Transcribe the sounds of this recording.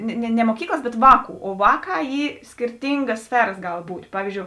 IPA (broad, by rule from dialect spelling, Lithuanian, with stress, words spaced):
nʲɛ nʲɛ nʲɛ moːˈkʲiːklˠɐs ˈbʲɛt ˈʋɑːˌkuː oː ˈʋɑːˌkɑː ˈiː sʲkʲɪrʲˈtʲɪŋɡɐs ˈsʲfʲæːrɐs ˈɡɐlˠ ˈbuːtʲ ˈpɑːʋʲiːzʲˌd͡ʒʲoːʊ